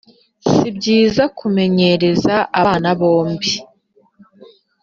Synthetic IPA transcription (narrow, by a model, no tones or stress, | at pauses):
sib̚ɟiːzakume̞ɲe̞ɾe̞zaʔaanaβo̞ːmbi